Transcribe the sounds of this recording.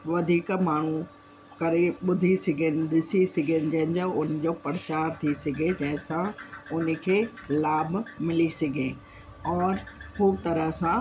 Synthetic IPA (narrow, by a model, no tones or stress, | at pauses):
ʋɐd̪ʱiːkmaːɳ̤u | kɐɾeɓʊd̪ʱisɐɡʱənɪ̆ɗ̪ɪsisɐɡʱənɪ̆d͡ʑənɪ̆d͡ʑõʊn̆d͡ʑoːpɐɾt͡ɕaːɾt̪ʰisɐɡʱed͡ʑɐɛ̃ɦɪ̃sãʊn̆kʰeːlaːbmɪlisɐɡʱẽː | ɔːɾkʰuːb̚t̪ɐɾəɦsã